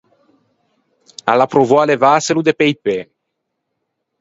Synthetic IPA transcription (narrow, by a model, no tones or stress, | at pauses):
a̰lapɾovɔalevaselud̪epejpe